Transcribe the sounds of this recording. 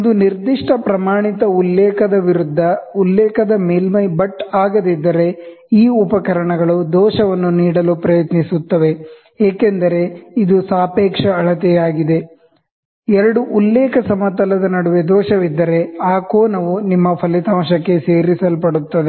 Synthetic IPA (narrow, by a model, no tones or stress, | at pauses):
ond̪uniɾd̪iʂʈɐpɾɐmaːɳit̪ɐulːɛːkɐd̪ɐʋiɾud̪ʱːɐulːɛːkɐd̪ɐmeːlmɐjbɐʈːaːɡɐd̪id̪ːɐɾe̞ | iːupɐkɐɾɐɳɐɡɐɭud̪ɔːʃɐʋɐnːuniːɽɐlupɾɐjɐt̪nisut̪ːɐʋe̞ | eːkend̪ɐɾe̞id̪usaːpeːkʂɐːɭɐt̪ɛjaːɡid̪e | ɛɾɐɽuʔulːɛːkɐsɐmɐt̪ɐlɐd̪ɐnɐɽuʋed̪ɔːʃɐʋid̪ːɐɾe̞aːkoːnɐʋunimːɐpʰɐlit̪aːmʃɐkːe̞seːɾisɐlpɐɽut̪ːɐd̪e